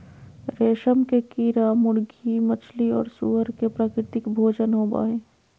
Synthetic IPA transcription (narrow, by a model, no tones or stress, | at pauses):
ɾeːʃəmkekiːɾamʊɽɡimɐt͡ʃʰliɔ̰ːɾsṵɦəɾkepɾaːkɾɪt̪ɪkbʱoːd͡ʒənɦoːba̰ːɦeː